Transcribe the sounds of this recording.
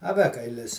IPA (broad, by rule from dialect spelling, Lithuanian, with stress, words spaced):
ɐˈʋʲæːkɐɪlʲɪs